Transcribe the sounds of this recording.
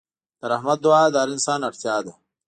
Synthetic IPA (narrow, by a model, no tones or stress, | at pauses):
d̪̥əɾɐhmɐt̪̚d̪uaːd̪aːɾinsaːnɐɽt̪jaːd̪a